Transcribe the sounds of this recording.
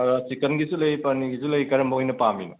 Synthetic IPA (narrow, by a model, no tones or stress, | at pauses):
sikɐnɡisulɐjpɐɾniɡizulɐjkɐɾɐmbɐɦojnɐpamino̰